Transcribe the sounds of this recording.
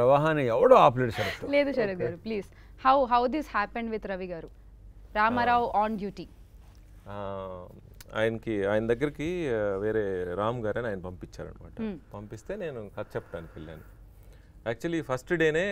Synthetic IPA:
pɾɐʋaːɦanɐɛʋɐɽoːaːpleɖʃɐɾɐt̪ule̞ːd̪uʃɐɾɐt̪̚ɡaːɾupliːs | hɐwɦɐwd̪ishæːpẽɳɖʋid̪ɾɐʋiɡaːɾu | ɾaːmaɾaːʋaːnɖjuːʈiː | a̰ːjɐnɐkiaːjɐnɐd̪ɐɡːɐɾikiʋeːɾeːɾaːmɡaːɾɐniaːjɐnɐpɐmpit͡ʃːa̰ːɾɐ̰nɐma̰ːʈɐpɐmpist̪e̞ːne̞ːnukɐt̪̚ːt͡ʃɛpːɐ̥ʈaːnikɐɭːja̰ːnːi | æːk̚t͡ʃuɐlipʰɐsʈɖeːneː

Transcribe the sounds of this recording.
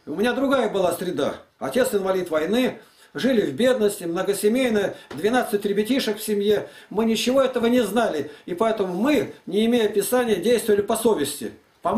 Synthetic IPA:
ʊɪnʲad̪ɾʊɡajəbɨlˠasʲɾʲɪd̪a̰ɐtʲe̞t̪sɪnvɐlʲit̪vɐjnɨ | ʐɨlʲɪvbʲe̞d̪nəsʲtʲɪmnəɡəsʲɪmʲejnəjd̪vʲɪnat̪sɨtʲɾʲɪbʲɪtʲiʂəkfsʲɪmʲje̞mɨnʲɪt͡ɕːɪvo̞ɛt̪əvənʲɪznalʲɪɪpɐɛt̪əmʊmɨnʲɪːmʲejəpʲɪsanʲɪjədʲejst̪vəvəlʲɪpɐsovʲɪsʲtʲɪ̰ | pɐ

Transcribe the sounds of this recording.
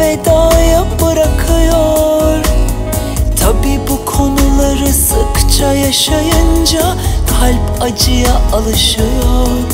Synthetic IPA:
ɛd̪aːjabɯɾakʰɯjoɾ | t̪ʰabiːbukʰo̞nulˠaɾɯsɯkt͡ʃʰajaʃajɯnd͡ʒahʰalʲp | ad͡ʒɯjaalˠɯʃɯjoɾ

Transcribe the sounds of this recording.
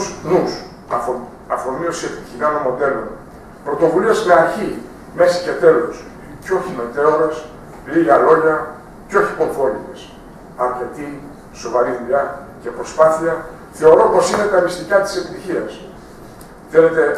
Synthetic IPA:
usnus | ɐfo̞miosieft̪icinɐmomo̞d̪e̞lo̞̰n | pɾo̞t̪o̞vuliezme̞ɐɾçi | me̞si̥ce̞t̪e̞los | ceo̞çime̞t̪e̞oɾes | liɣɐlo̞ʝɐ | ceo̞çipo̞ɾfo̞lit̪es | ɐɾce̞t̪i | so̞vɐɾiðuʎɐ | ce̞pɾo̞spaθiɐ | θe̞o̞ɾo̞po̞sine̞t̪ɐmist̪ikɐt̪i̥se̞pit̪içiɐs | θe̞le̞t̪e̞

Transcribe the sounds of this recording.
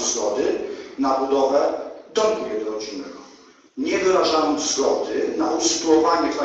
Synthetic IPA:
zɡɔd̪ɘnabud̪ɔvɛd̪ɔbuɛd̪ɔɾɔd͡ʑinɛ̰ɡɔ | ɲɛd̪ɔɾaʐamɨzɡɔd̪ɘnausɨ̥t̪uwɔvaɲɛpa

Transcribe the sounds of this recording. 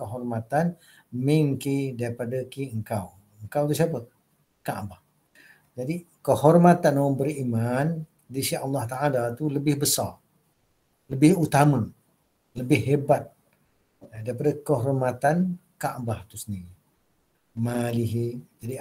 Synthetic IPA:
kəɦɔrmat̪an | miŋkidaɾipadakiəŋkaw | əŋkawt̪us̬apə | kaʔbah | d͡ʒadikəhɔrmat̪anbəɾiman | disiɑlːɑht̪aʔalat̪uləbɪhbəsar | ləbɪhut̪amə | ləbɪhɦebat̪̚ | daɾipadakəɦɔrmat̪ankaʔbaht̪usənii | maliɦid͡ʒadi

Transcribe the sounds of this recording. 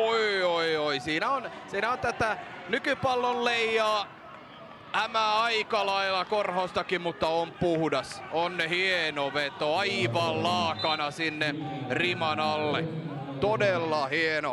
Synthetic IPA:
oioioisiːnæonsiːnæont̪æt̪æ | nykypɑlːolleijɑː | æmæɑikɑlɑilːɑkorhost̪ɑkimut̪ːɑompuhudɑsonnehienoʋet̪oɑiʋɑllɑːkɑnɑsinːerimɑnɑlːet̪odelːɑhieno

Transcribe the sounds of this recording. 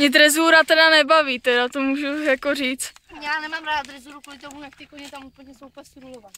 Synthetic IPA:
ɲɛd̪ɾɛzuːɾat̪ɛdanɛbaviːt̪ɛdat̪omuːʒujakoriːt͡s | jaːnɛmamɾaːdd̪ɾɛzuːɾukolɪt̪omujak̚t̪ikoɲɛt̪amupl̩ɲɛsopɛst̪ɾulovat

